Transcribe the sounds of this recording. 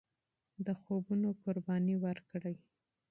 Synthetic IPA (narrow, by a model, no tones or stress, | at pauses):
d̪əxobunokʊɾbɑniwaɾkɽaj